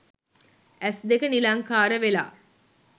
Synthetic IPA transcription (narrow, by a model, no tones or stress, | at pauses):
æsd̪ekənilaŋkaːɾəʋela̰ː